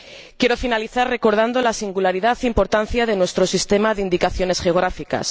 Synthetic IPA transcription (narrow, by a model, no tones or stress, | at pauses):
kje̞ɾo̞finaliθarre̞ko̞ɾð̞and̪o̞lasiŋɡulaɾiðaθeimpo̞ɾt̪an̟θjaðe̞nwe̞st̪ɾo̞sist̪e̞maðeind̪ikaθjo̞ne̞sxe̞o̞ɣ̞ɾafika̰s